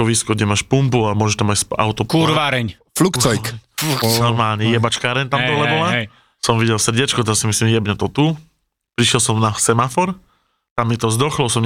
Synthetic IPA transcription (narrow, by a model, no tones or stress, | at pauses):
kɔʋiskɔɡɟɛmaːʃpumpuamʊɔʒɛʃt̪amacspa̰ʊt̪ɔpuɾaːɾɛɲ | flukt͡sɔjknɔɾmaːlɲɛjɛbat͡ʃkaːɾɛɲt̪amd̪ɔlɛbɔla | sɔmʋiɟɛlsr̩ɟɛt͡ʃkɔt̪asimislimjɛbɲɔt̪ɔt̪u | pɾiʃjɛlsɔmnasɛmafɔɾ | t̪amːit̪ɔzd̪ɔxlɔsɔm